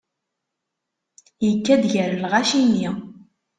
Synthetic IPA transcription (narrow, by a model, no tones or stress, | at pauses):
jəkːæd̪ʝəɾəlʁaʃinːi